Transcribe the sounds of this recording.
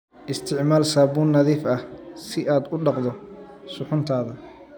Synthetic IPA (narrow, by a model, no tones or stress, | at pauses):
ʔɪst̪ʰɪʕmaːlsaːbuːnːɐðiːfɐhsɪʔaːd̪ʊɖɑqd̪ɔ | sʊħʊnt̪ʰaːðɐ